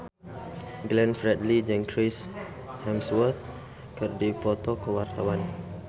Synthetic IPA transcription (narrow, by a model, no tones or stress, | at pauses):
ɡlɛ̃nfɾɛdlid͡ʒɛ̃ŋkʰɾis | hɛ̃mswət̪ | kərdipɔt̪ɔkəwart̪awan